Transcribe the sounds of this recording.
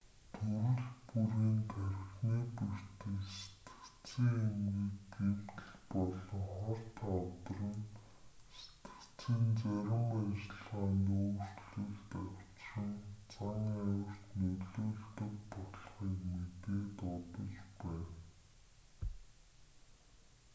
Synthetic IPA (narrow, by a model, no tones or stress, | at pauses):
t̪ʰɵɾɘ̆ɮpuɾiːnt̪ʰæɾʲɪ̆xniːper̥t̪ɘ̆kse̥t̪ɘ̥̆kt͡siːŋemɡiːkɡem̥t̪ɘ̆ɮpɔɮɞ̆ŋχɔr̥t̪ʰaɔt̪ɞ̆rə̆n | se̥t̪ɘ̥̆kt͡siːnt͡sæɾʲɪ̆mæt͡ɕɪ̆ɮʁaːnoːr̥ɮŭɮt̪æw̥ʲt͡ɕrə̆nt͡sʰaŋiːæwɪ̆r̥t̪nɵɮoːɮt̪ɵ̆kpɔɮχiːkmet̪eːt̪ɔt̪ɞ̆t͡ɕpæːn